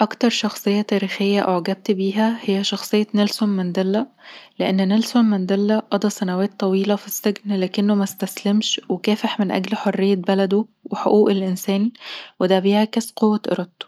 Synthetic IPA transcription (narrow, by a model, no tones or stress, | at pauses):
ʔɑkt̪ɑɾˤʃɑxsˤejːɑt̪æːɾiːxejːæʔoʕɡæb̚t̪biːɦæhejːæʃɑxsˤejːɑnælsomːænd̪ælːæleʔenːnælsommænd̪ælːæʔɑd̪ˤɑsˤænæwæːt̪ˤːɑwiːlɑfisːeɡnlæːkenːomæst̪æslemʃwekæːfeħmenʔæ̰ɡlħorːejːæbælæd̪oweħoʔuːʔelʔensæːnwed̪æbiːhækæsqowːæʔḛɾˤɑd̪t̪ːo̥